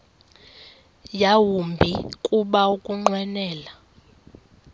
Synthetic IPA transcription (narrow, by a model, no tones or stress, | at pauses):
jawumbʱikʼuɓaukʼuŋ͡ǃwɛnɛːla